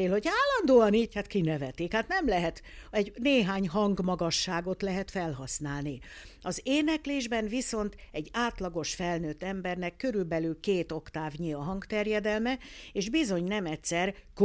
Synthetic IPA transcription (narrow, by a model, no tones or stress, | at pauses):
eːlho̞ɟaːlːɒnd̪oːɒniːchat̪kinɛvɛt̪ikhat̪nɛmlɛɦɛt̪ɛɟneːɦaːɲɦɒŋɡmɒɡɒʃːaːɡo̞t̪lɛɦɛt̪fɛlɦɒsnaːlniɒzeːnɛkleːʒbɛnviso̞nt̪ɛɟːaːt̪lɒɡo̞ʃfɛlnøːt̪ːɛmbɛrnɛkːø̞ɾylbɛlylkeːt̪o̞kt̪aːvɲiɒɦɒŋɡt̪ɛrjɛd̪ɛlmɛeːʒbizo̞ɲnɛmɛtʲsɛrk